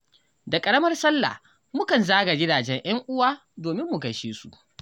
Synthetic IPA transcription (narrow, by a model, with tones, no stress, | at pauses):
da˨kʼɐ˨ɽɐ˦mɐ˦rsɐ˦lːa̰˨ | mʊ˦kɐ˨nzaː˦ɡa˨ɡʲɪ˦daː˨d͡ʒɛ˦ɲʔɐ˦ŋʔʊ˦waː˦ | doː˨mɪ˦mːʊ˨ɡɐ˨ʃeː˦su˨ʔ